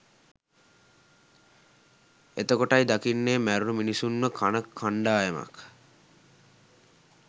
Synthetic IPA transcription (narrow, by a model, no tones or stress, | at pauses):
ḛt̪okoʈajd̪akinːeːmæɾunuminisunməkʰanəkʰːaɳɖaːema̰k